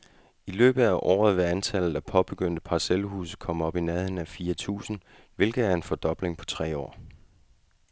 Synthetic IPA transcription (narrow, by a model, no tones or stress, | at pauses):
ilø̰ːb̥ð̩ˠæʔɒ̰ːð̞̩ˠʋe̝ænt͡sʰæl̰ð̩ˠæpʰɒ̽b̥e̝ɡ̥øn̰d̥əpʰɑ̈selhṵːsəkʰɒ̽m̰əɒ̽b̥inɛðˠn̩æfiːɐt͡sʰṵːsn̩ | ʋe̝lɡ̥ð̩ˠæɐe̝nfɒ̽d̥ɒ̽b̥le̝ŋpʰɒ̽t͡sʰʁɛ̰ːɒ̰ː